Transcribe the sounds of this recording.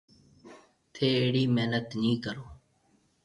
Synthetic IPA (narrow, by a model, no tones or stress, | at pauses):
t̪ʰeːeːɽiːmeɦnət̪nĩːkəɾoː